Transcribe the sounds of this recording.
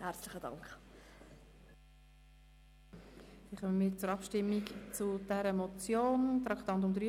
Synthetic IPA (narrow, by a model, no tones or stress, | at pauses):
hæɾt͡slɪχədɑ̰ŋkχ | siːχœməmiːɾt͡sʊɾɑpʃtɪmːikt͡sʊd̥ɛɾəmɔt͡sjoːnt̪ɾɑkt̪ɑnt̬ʊmd̪ɾy